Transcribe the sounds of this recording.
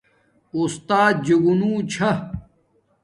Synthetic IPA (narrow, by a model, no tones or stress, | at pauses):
ust̪aːd̪̚d͡ʑɐɡunũːt͡ɕʰɐ